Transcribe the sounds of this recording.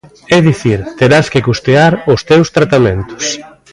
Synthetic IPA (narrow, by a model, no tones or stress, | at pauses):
ɛðiθiɾt̪eɾaskɪkust̪eaɾʊst̪ewst̪ɾat̪amẽnt̪ʊ̥s